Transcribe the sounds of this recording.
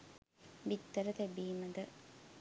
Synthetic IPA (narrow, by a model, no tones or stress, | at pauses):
bit̪ːəɾət̪ebiːməd̪ə